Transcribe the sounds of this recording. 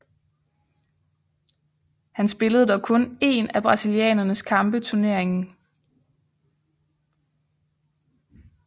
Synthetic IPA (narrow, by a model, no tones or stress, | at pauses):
hænsb̥e̝ləð̞̩ˠd̥ɒ̽kʰɔ̽ne̝̰næb̥ʁɑ̈siliɛ̰ːnɐnəskʰɑ̈mb̥ət͡sʰuɐne̝ɐ̰e̝ŋn̩